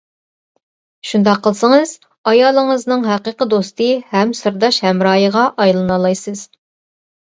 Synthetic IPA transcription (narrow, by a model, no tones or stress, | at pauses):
ʃund̪ɑqʰːəlˠsəŋɨz̥ | ɑjɑːlˠəŋəznɨŋɦæqəːqəd̪ost̪ɨhɛmsɨɾd̪ɑʃhɛmɾɑːjəʁɑʔɑjlˠɨnɑlˠɑjsɨz̥